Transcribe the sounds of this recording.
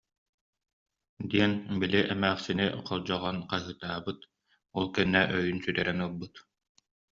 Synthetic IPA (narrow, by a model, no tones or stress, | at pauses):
d̪iɛnbiliʔɛmæːχsinḭqʰɔlˠd͡ʑɔʁɔnqaɦɯːt̪aːbɯt̪ | ɔlˠkɛnːɛʔœjynsyɾɛɾɛnulˠbɯt̪